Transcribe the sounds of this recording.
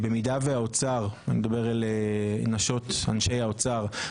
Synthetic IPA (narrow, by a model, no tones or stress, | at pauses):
bemidaveaot͡saʁanimd̪abeʁalenaʃo̞ta̰nʃejaot͡saʁ